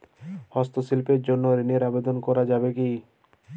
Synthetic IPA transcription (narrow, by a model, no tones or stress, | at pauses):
hɔst̪osilpeɾd͡ʑonːoɾineɾabed̪onkɔɾad͡ʑabeki